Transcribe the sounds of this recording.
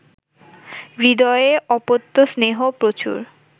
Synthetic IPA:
bɾid̪ɔeeʔɔpot̪ːosneɦopɾot͡ɕṵɾ

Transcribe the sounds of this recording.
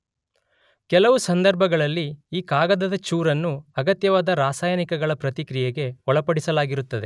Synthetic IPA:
kɛlɐʋusɐnd̪ɐɾbʱɐɡɐɭɐlːiːkaːɡɐd̪ɐd̪ɐt͡ʃuːɾɐnːuɐɡɐt̪jɐʋaːd̪ɐɾaːsaːjɐnikɐɡɐɭɐpɾɐt̪ikɾijeɡe̞ɔɭɐpɐɽisɐlaːɡiɾut̪ːɐd̪e

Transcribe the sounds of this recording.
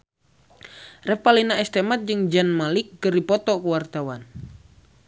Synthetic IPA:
rɛpalinaɛst̪ɛmat̪̚d͡ʒɨŋd͡ʒanmalikːɨrdipɔt̪ɔkuwart̪awan

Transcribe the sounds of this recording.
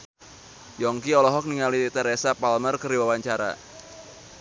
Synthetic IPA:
jɔŋkiɔlɔɦɔk̚niŋalit̪əɾɛsapalmərkəɾiwawaɲt͡ʃaɾa̰

